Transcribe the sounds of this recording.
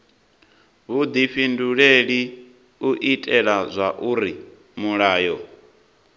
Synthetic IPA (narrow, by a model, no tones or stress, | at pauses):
βud̪iɸinduɺeɺi | uʔitʼɛɺazʷaʔuɾi | muɺaːjɔ